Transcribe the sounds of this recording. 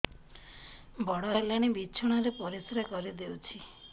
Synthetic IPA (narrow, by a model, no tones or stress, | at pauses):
bɔɽɔlaɽ̃ibit͡ʃʰɔɽ̃aɾepɔɾisɾakɔɾid̪ewt͡ʃʰi